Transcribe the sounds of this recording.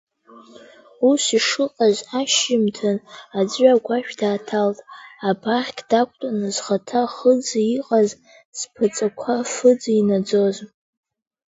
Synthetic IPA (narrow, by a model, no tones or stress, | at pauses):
usiʂɨqʼazaʃɪmtʰɨnad͡zɥaɡʷaʃᶣdaːtʰaltʼabʰaχʲkʲʰʼdakʷʰʼtʼanɨzχatʰaχəd͡zaiqʼaz | z̥pʰɨt͡sʼakʷʰafɨd͡zinad͡zo̞z